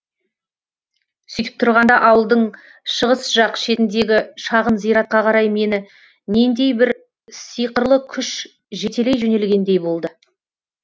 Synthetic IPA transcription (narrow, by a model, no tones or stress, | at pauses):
sʏjt̪ə̥p̚t̪ʰʊɾʁɑnd̪ɑʔɑwəlˠd̪əɴ | ʃəʁəsʒ̥ɑqʃe̞t̪ɪnd̪e̞ɡʲɪʃɑʁənzijɾɑt̪̚qɑqʰɑɾɑjme̞nɪ | ne̞nd̪e̞jbɪɾ | sijqəɾlˠəkʲʰʏʃ | ʒe̞t̪e̞lejʒɵne̞lɡʲe̞nd̪e̞jbo̞lˠd̪ə